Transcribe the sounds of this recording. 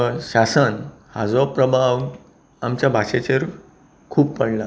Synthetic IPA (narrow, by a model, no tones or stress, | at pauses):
ɕasən | ha̰d͡zɔpɾəbʱaw | amt͡ɕjabʱaɕet͡ɕeɾ | kʰuːppəɽla